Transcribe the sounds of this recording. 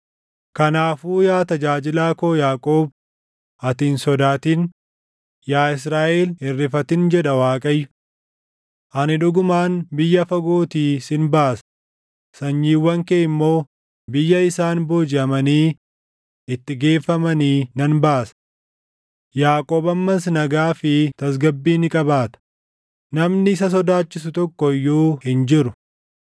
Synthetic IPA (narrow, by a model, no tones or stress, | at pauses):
kɐnaːfuːjaːt̪ɐd͡ʒaːd͡ʒɪlaːkoːjaːkʼoːb̚ | ɐt̪iːnsɔd̪aːt̪iːn | jaːɪs̬ɾaːʔeːlɪrːɪfɐt̪ɪnd͡ʒɛᶑɐwaːkʼɐjːʊ̥ | ʔɐnɪᶑʊɡʊmaːnbɪjːɐfɐɡoːt̪iːsɪnbaːsɐ̥ | sɐɲːiːwːɐŋkeːɪmːo̞ː | bɪjːɐɪsaːnboːd͡ʒɪɐmɐniː | ɪt̪ːɪɡe̞ːfːɐmɐniːnɐnbaːsɐ̥ | jaːkʼoːbɐmːɐs̬nɐɡaːfɪt̪ɐs̬ɡɐbːiːnɪkʼɐbaːt̪ɐ̥ | nɐmnɪsɐs̬ɔd̪aːt͡ʃːɪsʊt̪ɔkːɔjːuːhɪnd͡ʒɪɾʊ